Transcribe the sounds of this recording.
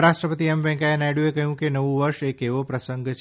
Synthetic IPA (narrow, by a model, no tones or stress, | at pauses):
ɾaʃʈɾəpət̪iɛmʋɛ̃kaenajɽjuekəɦjũkenəʋũʋəɾʃekeʋopɾəsəŋɡt͡ʃʰ